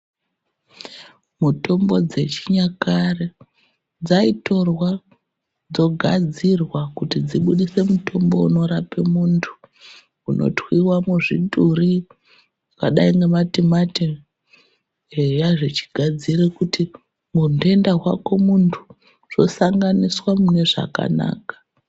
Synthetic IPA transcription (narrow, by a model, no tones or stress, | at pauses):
muto̞mbo̞d͡ze̞t͡ʃiɲakare | d͡zaito̞rwa | d͡zo̞ɡʱad͡zirwakutid͡ziɓuɗise̞mutʰo̞mbo̞uno̞ɾapemuntʰu̥ | unʔo̞̰twiwamuʐiɗʱuri | ukaɗaiŋɡematimati | jaʐet͡ʃi̥ɡʱad͡zirekuti | munde̞ndaɦwako̞muntʰu̥ | ʐ̥o̞̰saŋɡaniswamune̞ʐa̰ka̰na̰ːkḁ